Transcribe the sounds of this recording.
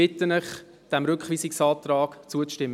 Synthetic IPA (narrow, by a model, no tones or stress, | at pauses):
ɪt̪ənəχ | d̥ɛmɾʏkχʋiːsɪksɑːt̪rɑːɡ̥t͡suət͡sʃtɪmː